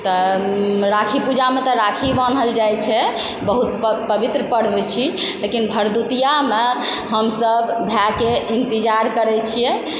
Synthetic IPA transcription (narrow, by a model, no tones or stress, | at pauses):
t̪ɔ | ɾakʰipud͡ʒamet̪ɔɾakʰibanəld͡ʒajt͡ʃʰɛ | bəɦut̪̚pəbit̪ɾəpəɽ̤bet͡ʃʰilekinbʱəɾd̪ut̪ijameɦəmsəbbʱjakeint̪id͡ʒaɾkəɾɛt͡ʃʰijɛ